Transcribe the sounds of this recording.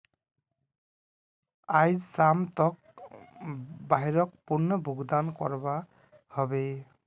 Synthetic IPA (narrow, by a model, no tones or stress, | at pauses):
ajzsamtɔk̚ | baɦiɹɔk̚punːɔbʱuɡd̪ankɔ̰ɹba | hɔbe